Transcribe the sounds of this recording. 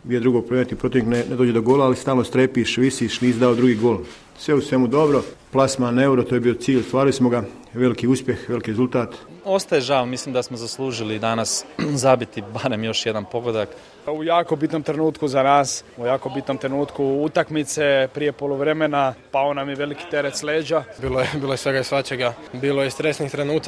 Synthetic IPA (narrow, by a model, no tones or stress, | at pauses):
ijed̪ɾuɡoɡ̚pɾoenet̪ipɾot̪ineknened̪oːd͡ʑed̪oɡoːlaalist̪aːlnost̪ɾepiʃʋisiʃniːsd̪aod̪ɾuɡiːɡoːl | sʋeusʋe̞mud̪o̞bɾo̞plˠasmaneuɾot̪oːjebiːot̪siːʎost̪ʋaːɾilismo̞ɡa | ʋe̞likiuspje̞xʋe̞likiːɾezulˠt̪aːt̪ost̪ajeʒaʋmislimd̪asmozaslˠuːʒilid̪anaszabit̪ibaɾe̞mjo̞ʃje̞d̪anpo̞ɡod̪ak | ujaːkobit̪no̞mt̪ɾe̞nuːt̪kuzanaːsujaːko̞bit̪no̞mt̪ɾenuːt̪kuut̪akmit̪se̞pɾije̞polˠuʋɾe̞menapaonamjeʋe̞liki̥t̪e̞ɾet̪sleːd͡ʑabiːlojebiːlojesʋe̞ɡaisʋat͡ʃeɡa | biːloest̪ɾesnixt̪ɾenuːt̪